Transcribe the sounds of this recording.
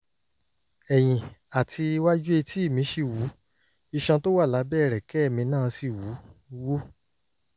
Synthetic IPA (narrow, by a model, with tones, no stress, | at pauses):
ɛ˨j̃ĩ˨a˨tʰi˧wa˦d͡ʒu˦e˧ti˦i˦˨mĩ˧˦ʃe˧wu˨˦ | i˧ʃã˧to˦wa˦˨la˨˦bɛ˦˨ɾɛ˨kɛ˦ɛ˦˨mĩ˧nãː˦˨˧si˦˨wu˨˦wo˦